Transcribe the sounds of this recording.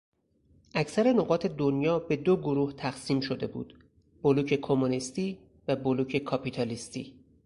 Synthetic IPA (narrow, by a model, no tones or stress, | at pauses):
ʔæcsæɾe̞no̞ɢɒːt̪ʰe̞d̪onjɒːbe̞d̪oɡoɾuːht̪ʰæxsiːmʃo̞d̪e̞̰bṵd̪̥ | b̥oluːcʰe̞kʰo̞munist̪iː | væboluːcʰe̞kʰɒpit̪ʰɒlist̪ḭː